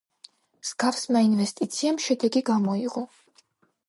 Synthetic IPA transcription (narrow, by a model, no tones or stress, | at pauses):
z̥ɡafsmainvɛst̪ʼit̪sʰiamʃɛd̪ɛɡiɡamɔiʁɔ